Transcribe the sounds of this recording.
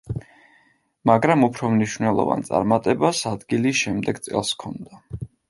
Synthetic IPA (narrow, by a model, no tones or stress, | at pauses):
maɡɾamupʰɾɔmniʃvnɛlˠɔ̰va̰nt̪sʼa̰ɾmat̪ʼɛbasad̪ɡiliʃɛmd̪ɛɡt̪sʼɛ̰lˠskʰɔnd̪a